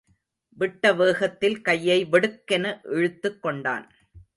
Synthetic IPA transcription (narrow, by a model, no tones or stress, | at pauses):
ʋɪʈːɐʋeːɣɐt̪ːɪlkɐjːɐɪʋɛɽɯkːɐnɐʔɛɻɯt̪ːɯkːɔɳɖa̰ːn